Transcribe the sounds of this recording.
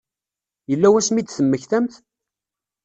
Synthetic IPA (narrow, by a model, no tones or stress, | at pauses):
jəlːæwæsmid̪θəmːəçθæmθ